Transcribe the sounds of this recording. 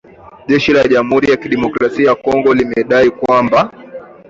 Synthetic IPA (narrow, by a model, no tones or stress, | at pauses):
ʄɛʃilaʄam̩huɾijakiɗɛmɔkɾasiakɔŋɡɔlimɛɗaikwamba